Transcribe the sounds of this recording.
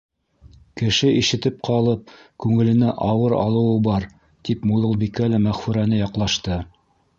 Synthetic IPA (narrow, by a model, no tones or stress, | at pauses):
kɘ̆ʃɘiʃɘ̆t̪ɘp̚qʰɑlˠɤp̚kʉŋɘ̆lɘ̆næʔɑwɤɾɑ̰lˠɤ̆wɤbɑɾ | t̪ipmulˠɤ̆lˠbikælæmæχfʉɾænɘjɑqlˠɑʃt̪ɤ